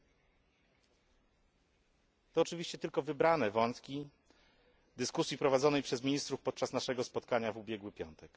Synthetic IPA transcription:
t̪ɔːt͡ʂɘvʲiɕt͡ɕɛt̪ɘlkɔvɘbɾanɛvɔnt̪kʲi | d̪ɘskusʲjipɾɔvad̪zɔnɛjpʂɛzmʲiɲist̪ɾufpɔt̪̚t͡ʂasnaʂɛɡɔspɔt̪kaɲavubʲjɛɡwɘpʲjɔ̰nt̪ɛk

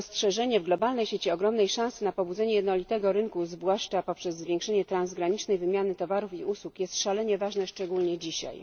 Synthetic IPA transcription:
ɔstʂɛʐɛɲɛvɡlɔbalnɛjɕet͡ɕiɔɡɾɔmnɛjʂãsɘnapɔbud̪zɛɲɛjɛd̪nɔlʲit̪ɛɡɔɾɘnkuzvwaʂt͡ʂapɔpʂɛzːvʲjɛ̃ŋkʂɛɲɛt̪ɾanzɡɾaɲit͡ʂnɛjvɘmʲjanɘt̪ɔvaɾufiʔuswukjɛst̪ʂalɛɲɛvaʐnɛʂt͡ʂɛɡulɲɛd͡ʑiɕa̰j

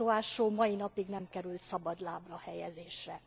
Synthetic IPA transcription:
oaːʃoːmɒjinɒpiɡnɛmkɛɾylt̪sɒbɒd̪laːbrɒhɛjɛzeːʃrɛ

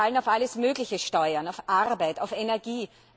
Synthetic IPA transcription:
alənaʊfʔaləsmøːɡlɪçəʃtɔʏɐnaʊfʔaʁbaɪtaʊfenɛɐɡiː

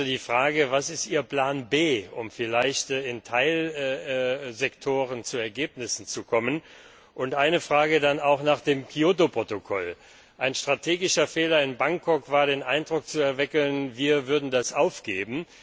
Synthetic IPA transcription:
ədiːfʁ̥aːɡəvasɪstʔiːɐpl̥aːnbeːʊmfɪlaɪçtɪntʰaɪlː | zɛktʰoːʁ̞ənt͡suɛɐɡeːpnɪsn̩t͡sukʰɔmən | ʔʊntʔaɪnəfʁ̥aːɡədanaʊxnaːχd̥eːmkʰioːtopʁ̥otokʰɔ̰l | ʔaɪnʃtʁ̥atʰeːɡɪʃɐfeːlɐɪnbaŋkʰɔkv̥aːɐɾeːnʔaɪndʁʊk̚t͡suɛɐvɪkl̩nviːɐvʏɐdn̩dasʔaʊfɡ̥eːbm̩

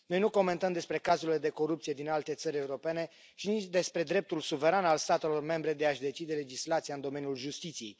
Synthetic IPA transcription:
no̞jnuko̞me̞nt̪əmd̪e̞spɾe̞kazuile̞d̪e̞ko̞ɾupt̪sije̞d̪inalt̪e̞t̪səɾʲe̞uɾo̞pe̞ne̞ | ʃinit͡ʃd̪e̞spɾe̞d̪ɾe̞p̚t̪ulsuve̞ɾanalst̪at̪e̞lo̞rme̞mbɾe̞d̪e̞aʃd̪e̞t͡ʃid̪e̞le̞d͡ʒislat̪sijaɨnd̪o̞me̞nʲjulʒust̪it̪sije̞j

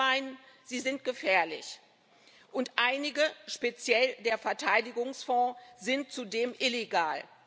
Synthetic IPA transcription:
aɪnən | z̥iːzɪntɡ̥əfɛːɐlɪ̰ç | ʔʊntʔaɪnɪɡəʃpet͡sjɛldeːɐfɛɐtʰaɪdɪɡʊŋsfɔ̃ːzɪnt̚t͡sudeːmʔɪleɡaːl

